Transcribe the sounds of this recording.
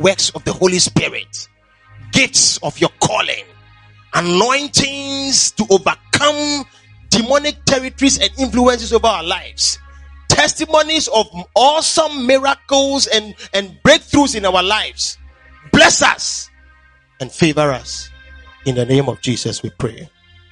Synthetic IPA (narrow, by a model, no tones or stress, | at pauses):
wɛksɔvðəholispɪɹɪ̰t | ɡɪftsɔvjɔkʰɔ̰lɪ̰̃ŋ | ənɔ̃ɪ̃ntɪ̃nstuʔovəkʰʌ̃m | dimɔnɪk̚tʰɛɹɪtɔɹizɛ̃nɪ̃nfluɛ̃ns̬ɪsovəaəlaɪfstʰɛstimonizɔvɔsə̃mːɪɹakl̩ˠzɛ̃nɛ̃nbɹek̚θɹusɪ̃naʊəlaɪfs | blɛsʌ̰s | ɛ̃nfevəɹʌs | ɪ̃nðənẽɪ̃mɔvd͡ʒiːsʌswipʰɹḛ